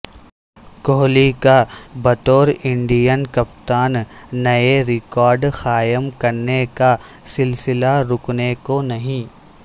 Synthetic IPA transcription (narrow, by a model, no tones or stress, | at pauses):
koːlikabɐt̪oːɾɪ̃ɳɖijənkɐp̚t̪aːnːɐeɾɪkɔːɾɖxaːjəmkɐɾneka | sɪlsɪlaɾʊknekonɐɦĩː